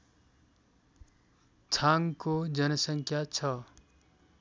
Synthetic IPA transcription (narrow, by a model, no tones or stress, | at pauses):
t͡ʃʰãŋɡkod͡ʒənəsə̃ŋkʰjat͡ʃʰʌ